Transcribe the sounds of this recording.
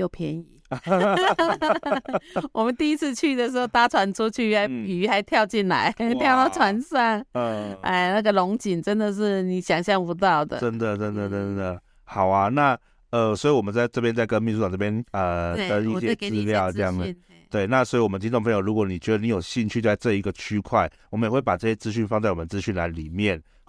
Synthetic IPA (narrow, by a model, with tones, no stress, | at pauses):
jo˥˩ʊpʰjɛ˧˥ni˨˩˦ | wʔɔ˨˩mə˦nt̪i˥˧i˦˥t͡sʰɹ̩˥˧t͡ɕʰy˥˩d̪ə˨ʂ̬ɻ̩˦xo˥˧ʊt̪a˥ʈ͡ʂʰwa˧˥nt͡su˥t͡ɕʰy˥˩˥xa˧˥ɪpi˨˩y˧˥xa˧˥ɪt̪ʰjɑ˥˧ʊt͡ɕi˥˩nla̰˧˦ɪt̪ʰjɑ˥˧ʊt̪ɑ˥˩ʊʈ͡ʂʰwa˧˥nsa˥˩ŋʔa̰˥˧˩ɪna˥˩ɡə˨lʊ˧˥ŋt͡ɕi˨˩nʈ͡ʂə˦nd̪ə˨ʂ̬ɻ̩˥˩ni˨˩ɕjɑ˨˩ŋɕjɑ˥˩ŋpu˧˥t̪̬ɑ˥˩ʊd̪ə̰˨ʈ͡ʂə˦˥nd̪ə˨ʈ͡ʂə˧nd̪ə˨ə˥ə˧˥nd̪ə˨˩ | xɑ˨˩ʊa˦na˥˨ | ə˧swɔ˧˥i˨wɔ˨˩mə˦nt͡sa˥˧ɪʈ͡ʂɤ˥˩p̬jɛ˥nt͡sa˥˩kə˦nmi˥˩n̬su˥tɑ˨ŋ˩ʈ͡ʂɤ˥˩pjɛ˥˦nə˨˧ə˥˦i˥t͡ɕjɹ̩˥˧ljɑ˥˨ʊə˥˧jɑ˥˨ŋə˧ | t̪we˥˩ɪna˥˨swɔ˧˥i˧wɔ˨˩ə˦nət͡ɕi˥t̪ŋpʰɤ˧˦ŋjo˨˩ɻu˦˥kwɔ˧˩˦ni˨˩t͡ɕɥɛ˧˥d̪ə˧ni˨˦jo˨˩ʊɕi˥˧nt͡ɕʰy˥˧˥ɪt͡sɤ˥˩i˧˥ɡə˨t͡ɕʰy˥kʰwa˥˩ɪwɔ˨˩mə˦jxwe˥˩pa˨˩ʈ͡ʂɤ˥˧ɕjɛ˥t͡sɹ̩˥ɕy˥˩nfɑ˥˧ŋt͡sa˥˩wɔ˨mə˧nt͡sɹ̩˥˦ɕy˥˩nla̰˧˦ɪli˨˩mjɛ˥˨n